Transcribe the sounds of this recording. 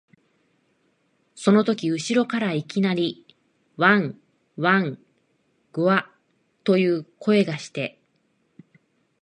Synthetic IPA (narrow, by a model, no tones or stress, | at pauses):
so̞no̞t̪o̞kʲiɯ̟ɕiɾo̞kaɾaikʲinaɾʲi | βãŋ | βãŋ | ɡ̥o̟a | t̪o̞jɯ̟ːkʰo̞e̞ɡaɕi̥t̪e̞